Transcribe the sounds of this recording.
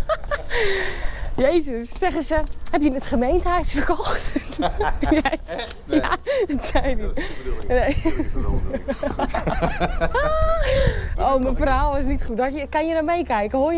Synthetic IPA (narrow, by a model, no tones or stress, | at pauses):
jejzəssɛχəsəhɛpjənətχəmejntəhœɥsfərkɔxt | jes | jadɔtsɛjdinej | oːmənfəralˠʋɔs̬nitχut̚ɔtjəkanjənamejkɛjkəho